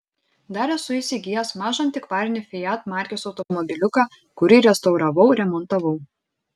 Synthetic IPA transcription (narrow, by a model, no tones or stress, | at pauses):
d̪ɑːɾʲɛsʊɪˑsʲɪɡʲɪjɛsmɑːʒɐnʲt̪ʲɪkʋɑːɾʲɪnʲɪfʲɪjæt̪mɑːˑɾʲkʲoːsɒʊt̪ɔmɔbʲɪlʲʊkɑː | kʊɾʲɪɾʲɛst̪ɐʊɾɐʋɐʊɾʲɛmɔnt̪ɐʋɔʊ